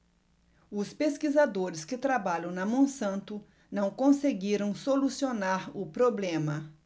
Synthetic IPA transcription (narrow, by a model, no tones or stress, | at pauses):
ʊspeskizad̪oɾɪskɪt̪ɾabaʎɐ̃w̃nɐmõsɐ̃nt̪ʊ | nɐ̃w̃kõseɡiɾɐ̃w̃solusionaɾʊpɾoblẽmɐ